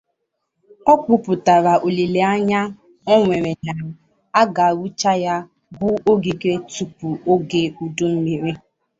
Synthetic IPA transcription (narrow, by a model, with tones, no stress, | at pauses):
ɔ˦k͡pʊ˦pʊ˨ta˨ɾa˨ʔo˨li˨le˨a˦ɲa˦ | ɔ˦ŋʷe˨ɾe˨na˨˦ | a˦ɡa˨a˨wu˦t͡ʃa˦ja˦ | bʊ˦o˦ɡi˨ɡe˦tu˨pu˨o˦ɡe˨u˨du˦m̩˦mi˨ɾe˦